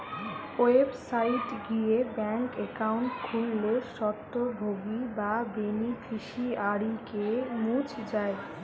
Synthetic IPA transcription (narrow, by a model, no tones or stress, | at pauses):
oebsajʈɡijebɛŋkekawɳʈkʰulːeʃɔt̪ːobʱoɡibabenikʰiʃiaɽikemũt͡ɕd͡ʑae